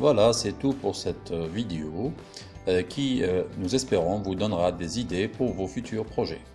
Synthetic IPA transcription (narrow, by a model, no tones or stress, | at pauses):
vwalasɛt̪upuʁsɛt̪vid̪eo | kʲʰinuzɛspeʁɔ̃vud̪ɔnʁad̪ezid̪epuʁvofyt̪ʰyːʁpχɔʒɛ̰